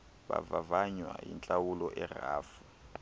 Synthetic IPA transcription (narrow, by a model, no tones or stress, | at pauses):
ba̰vavaɲwajint͡ɬʼawulɔʔɛraːfu